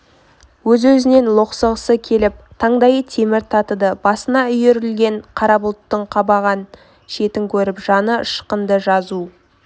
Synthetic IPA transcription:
wɵzwɵzɪne̞nlˠoqsəʁəsəkʲʰe̞lɪp̚t̪ʰɑɴd̪ɑjət̪ʰe̞mɪɾt̪ʰɑt̪əd̪əbɑsənɑʏjeɾɪlɡʲe̞ɴqʰɑɾɑbʊlˠt̪ːəɴqʰɑbɑʁɑn | ʃe̞t̪ɪŋkʲʰɵɾɪpʒ̥ɑnəʃqənd̪əʒɑzu

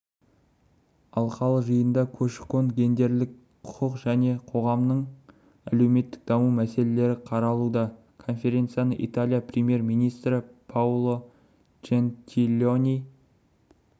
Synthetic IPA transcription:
ɑlˠqɑlˠəʒəjənd̪ɑkʲʰɵʃkonɡʲe̞nd̪e̞ɾlɪk̚ | qʰʊqʰəqʒæne̞qʰo̞ʁɑmnəɴ | ælewme̞t̪ːɪ̥k̚d̪̥ɑmumæse̞le̞le̞ɾɪqʰɑɾɑlˠud̪ɑ | kʰo̞nfʲe̞ɾʲe̞nt̪sɨjanəʔḭt̪alʲˠijaprʲemije̞ɾmijnijst̪ɾɪpʰawlˠo̞ | t͡ʃent̪ʲʰilʲonʲij

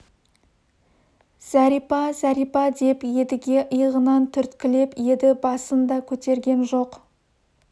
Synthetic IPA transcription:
z̥æɾipɑzæɾijpɑd̪e̞pje̞d̪ɪɡʲe̞ʔəjʁənɑnt̪ʰʏɾt̪kʲɪle̞pje̞d̪ɪbɑsənd̪ɑkʲʰɵt̪e̞ɾɡʲe̞nʒo̞q

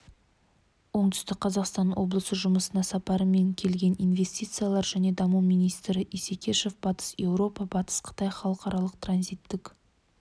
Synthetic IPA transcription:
wo̞ɴt̪ʏ̥st̪ɪk̚qʰɑzɑqst̪ɑnwʔo̞̰blˠəsəʒʊməsənɑsɑpɑɾəme̞ŋkʲʰe̞lɡʲe̞nijnve̞sʲt̪ʲijt̪sɨjalˠɑɾʒæne̞d̪ɑmuwmijnijst̪ɾɪʔisekʲʰe̞ʃe̞fbɑt̪ə̥sje̞wɾo̞pɑbɑt̪ə̥sqʰə̥t̪ɑjχɑlˠəqɑɾɑlˠəq̚t̪ranzijt̪ːɪk

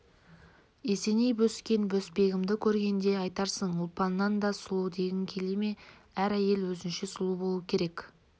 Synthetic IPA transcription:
ese̞nejbɵskʲe̞nbɵspe̞ɡʲɪmd̪ɪkʲʰɵɾɡʲe̞nd̪e̞ɑjt̪ɑɾsəɴʊlˠpɑnːɑnd̪ɑsʊlˠuwd̪e̞ɡʲɪŋkʲʰe̞leme̞æɾæje̞lwɵzɪnʃesʊlˠubo̞lˠukʲʰe̞ɾe̞kʲ

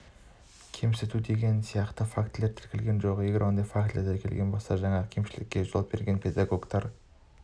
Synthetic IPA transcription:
kʲʰemsɪt̪ut̪d̪e̞ɡʲe̞nsijɑqt̪əfakt̪le̞ɾt̪ʰɪɾkʲɪlɡʲe̞nʒo̞qjeɡʲɪɾond̪ɑjfakt̪leɾd̪eɾkʲʰe̞lɡʲe̞nbolˠsɑʒɑŋɑkʲʰe̞mʃɪlɪ̰kʲːe̞ʒolˠp̚be̞ɾɡʲe̞npʰe̞d̪aɡo̞ɡt̪ɑɾ

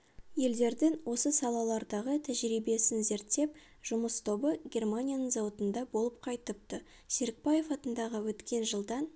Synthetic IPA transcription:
je̞ld̪e̞ɾd̪ɪŋwo̞səsɑlˠɑlˠɑɾd̪ɑʁət̪ʰæʒɾibe̞sɪnze̞ɾt̪ːe̞p̚ | ʒ̥ʊməst̪ʰo̞bəɡʲe̞rmanʲijanəɴzowət̪ənd̪ɑbo̞lˠəp̚qʰɑjt̪əp̚t̪ə | seɾɪk̚baje̞fɑt̪ənd̪ɑʁəwɵt̪kʲʰe̞nʒəlˠd̪ɑn

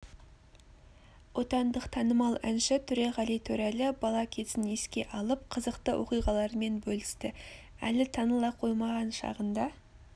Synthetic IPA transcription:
wo̞t̪ɑnd̪əqt̪ʰɑnəmɑlˠænʃɪt̪ʰʏɾe̞ʁɑlˠijt̪ʰɵɾælɪbɑlˠɑkʲʰe̞sɪneskʲe̞ʔɑlˠəp̚qʰəzəqt̪əwʔo̞qijʁɑlˠɑɾme̞nbɵlɪst̪ɪ | æ̰lɪt̪ʰɑnəlˠɑqʰo̞jmɑʁɑnʃɑ̰ʁənd̪ɑ

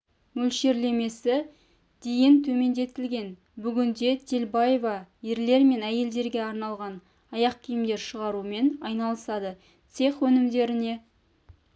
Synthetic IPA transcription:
mɵlʃe̞ɾle̞me̞sɪ | d̪̥e̞jɪnt̪ʰɵme̞nd̪e̞t̪ːɪlɡʲe̞n | bʏɡʲɪnd̪e̞t̪ʲʰelbɑjvɑje̞ɾle̞ɾme̞næje̞ld̪e̞ɾɡʲe̞ɑɾnɑlˠʁɑn | ɑjɑq̚kʲʰijɪmd̪e̞ɾʃəʁɑɾume̞nɑjnɑlˠəsɑd̪ə | t̪se̞χwɵnɪmd̪e̞ɾɪne̞

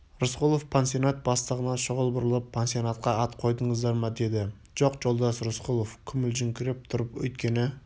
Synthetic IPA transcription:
ɾʊsqulˠofpʰensijonat̪̚bɑst̪əʁənɑʃʊʁəlˠbʊɾəlˠəpʰːensionat̪̚qɑɑt̪qʰo̞jd̪əɴəzd̪ɑɾmɑd̪e̞d̪ɪ | ʒ̥oqʒ̥o̞lˠd̪ɑsɾʊsqulˠofkʲʰʏmɪlʒʏŋkʲʰɪɾɪp̚t̪ʰʊɾəpwɵ̰jt̪kʲe̞nɪ

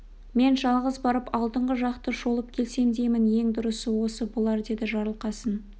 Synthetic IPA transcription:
me̞nʒɑlˠʁəzbɑɾəpɑlˠd̪əɴʁəʒɑqt̪əʒo̞lˠəp̚kʲʰe̞lse̞nd̪e̞jmɪnje̞ŋd̪ʊɾəsəwo̞səbolˠɑɾd̪e̞d̪ɪʒɑɾəlˠqɑsən

